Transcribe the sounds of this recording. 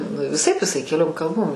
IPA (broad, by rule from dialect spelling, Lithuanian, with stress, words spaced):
nʊ ʋʲɪˈsɐɪp ɪˈsɐɪ kʲɛˈlʲoːm kɐlˠˈboːm